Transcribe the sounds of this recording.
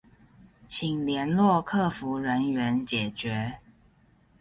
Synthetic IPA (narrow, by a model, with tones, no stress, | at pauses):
t͡ɕʰi˨˩ŋljɛ˨˦nlwɔ˥˧kʰɤ˥˩fu˨˦ɻə˧˦nɥɛ˨˦nt͡ɕjɛ˨˩t͡ɕɥɛ˨˦